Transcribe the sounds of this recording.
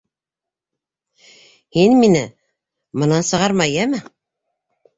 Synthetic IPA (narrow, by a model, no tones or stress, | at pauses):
hinminɘ | mɤ̆nɑnsɤ̆ʁɑɾmɑjæmɘ